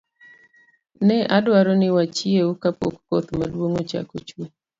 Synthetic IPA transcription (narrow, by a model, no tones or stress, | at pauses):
nɛʔadwaɾɔnɪwat͡ʃieukapo̰kːɔt̪madwoŋot͡ʃa̰kot͡ʃuo